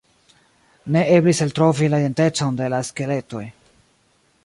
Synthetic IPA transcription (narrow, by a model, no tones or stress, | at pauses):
ne̞ʔe̞bliseltɾo̞vilaide̞nte̞t͡so̞nde̞laeske̞le̞to̞j